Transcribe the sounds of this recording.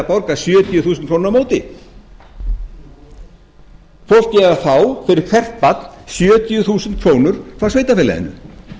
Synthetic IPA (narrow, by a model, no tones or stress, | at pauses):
apɔwɾkasjœːt̪jʏθuːsʏnkʰoːnɾamoːwt̪ɪ̰ | fowl̥t̪cɛːvaθawfɪɾɪɾ̥kʰvɛr̥t̪̚pat̪lsjœːt̪jʏθuːsʏnt̪̚kʰɾoːwnʏɾ̥fɾawsveːjt̪afɛːlɛ̰ðɪ̰nːʏ̰